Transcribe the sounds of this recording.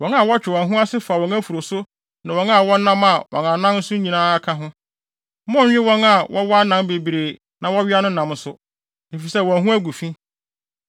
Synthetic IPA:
wɔ̃˨˦na˨wɔ˦t͡ɕᶣɪ˨wɔ̃˨ɦũ˦a˦sɪ˦fa˨wɔ̃˨ŋæ˦fu˨ɾo˨sʊ˦ | nã˨wɔ̃˨˦na˦˨wɔ˦nːã˦ma˨wʔɔ̰˨ŋã˨nã˦mn̩˦sʊ̃˦ɲĩ˨nãː˦a˦kʰa˦ɦʊ̃˦ | mɔ̃˦˨ɲᶣɪ̃˦wɔ̃˦na˨wʔɔ˦wɔ˦a˦nã˨m˦be˨bi˨ɾe˨ | nã˨wɔ˦ɥɪ˦a˦nʊ̃˦nã˨m˦sʊ˦ | ne˨fi˨sɛ˦˨wɔ̃˨ɦũ˦æ˦ɡu˨fĩ˦

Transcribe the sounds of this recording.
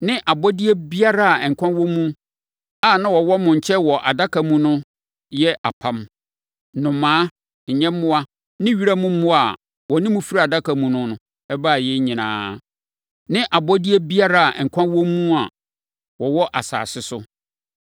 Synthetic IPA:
nɪ̃˦ʔa˨bɔ˦di˦ɛ˦bi˦a˦ɾa˦a˨ŋ̩˨kʷʰã˦wõ˦mũ˦ | a˨nã˦wɔ˨wɔ˦mʊ̃˨ɲ˨t͡ɕʰɛ˦wɔ˨ʔa̰˨da˦kʰa˨mũ˦nʊ̃˦ | jɛ˦ʔa̰˨pʰã˦m | nʊ̃˨mãː˦ | ɲ̩˨ɲɛ̃˦mː˦ʊ̃˦a˦ | nɪ̃˦ɥi˦ɾa˦mʊ̃˦mːʊ̃˦a˨ | wɔ˨nɪ̃˦mũ˦fi˦ɾa˦˨a˨da˦kʰa˨mũ˨nʊ̃˦nʊ̃˨˦ | ɛ˦ba˦˨jɛ˦ɲĩ˨nã̰ː˨˦ | nɪ̃˦ʔa˨bɔ˦di˦ɛ˦bi˦a˦ɾa˦a˨ʔ̩˨kʷʰã˦wo˦mũ˦a˨ | wɔ˨wɔ˦ʔa̰˨sa̰ː˨sɪ˦sʊ˦

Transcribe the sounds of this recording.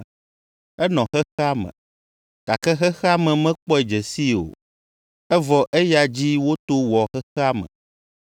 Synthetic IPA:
ɛ˦nɔ̃˨xɛ˦xɛ˦a˦mɛ̰̃˨ | ka˨kɛ˦xɛ˦xɛ˦a˦mɛ̃˨mɛ̃˦k͡pɔ˦ɛ˨d͡ʒɛ˨si˦o̰˨ | ɛ˦vɔ˨ʔɛ˦ja˨d͡ʑi˦wo˦t̪o˦wɔ˨xɛ˦xɛ˦a˦mɛ̰̃˨

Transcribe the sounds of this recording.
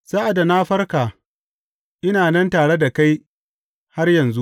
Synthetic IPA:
z̥aː˦ʔa˨da˨naː˦ɸɐ˦rkaː˨ | ʔɪ˦naː˨nɛ˦ntaː˨ɽe˦da˨ka˦j | ha˦rjɐ˨nzu˦

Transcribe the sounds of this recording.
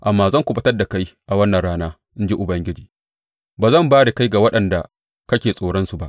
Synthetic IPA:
ʔa˨mːaː˦˨zɐ˦˨ŋkʷu˨bɐ˦tɐ˦rda˨ka˦jʔa˨wɐ˦nːɐ˨nɽaː˦naː˦ | ʔɪ˦nd͡ʒi˦ʔʊ˨bɐ˦ŋɡʲɪ˦d͡ʒiː˨ | baː˨zɐ˦˨mbaː˦ɽe˨ka˦jɡa˨wɐ˦ɗɐ˨nda˨ | kɐ˦kʲeː˨sʼoː˨ɽɔ˦nsu˨ba˦ʔ

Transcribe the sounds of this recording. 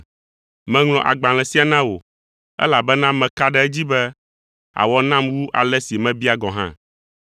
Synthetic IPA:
mɛ̃˦ŋlɔ̃˨ʔa̰˨ɡ͡bã˨l̃ɛ̃˨si˦a˨nã˦wo̰˨ | ɛ̰˦la˨bɛ˦nã˦mɛ̃˨ka˦ɖɛ˦ɛ˦d͡ʑi˦bɛ˦ | a̰˨wɔ˦nã˦mwu˦ʔa˨lɛ˦si˨mɛ̃˦bi˦a˨ɡɔ˨ɦã̰˦

